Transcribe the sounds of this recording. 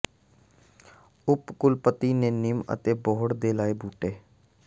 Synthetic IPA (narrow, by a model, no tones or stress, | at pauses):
ʊpkʊlpət̪iːneːnɪmə̰t̪eːboːɽd̪eːlaːeːbuːʈeː